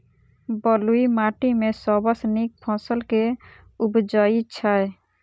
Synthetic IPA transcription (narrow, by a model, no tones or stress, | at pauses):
bəluimaːʈimẽsɔbəsnik̚pʰɔ̃ːsəlke | ʊbd͡ʒaːit͡ʃʰae